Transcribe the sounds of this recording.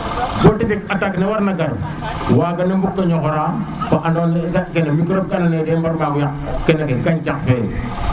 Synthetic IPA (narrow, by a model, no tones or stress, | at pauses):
ɡotitikataknewaɾnaɡaɾu | waɡanembukːaɲokoɾa | baʔandoneɡakenamikɾop̚kananedembaɾmaːɡuja | kenakekaɲt͡ʃaŋfen